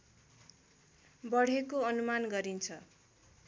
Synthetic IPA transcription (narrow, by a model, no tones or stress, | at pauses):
bʌɽ̤ekoʌnumanɡʌɾint͡sʰʌ